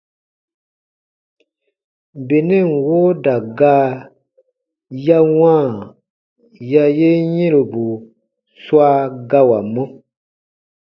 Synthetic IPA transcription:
be˨nɛ̃˦˨ŋ˨wo˦da˨ɡaː˦ | ja˦wãː˦˨ | ja˦je˦ɲɛ̃˦lo˨bu˨ | swa˦ɡa˦wa˨mɔ̃˦

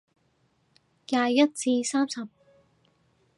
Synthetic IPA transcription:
kaː˧jjɐ˥t̚t͡siː˧saː˥msɐ˨p̚

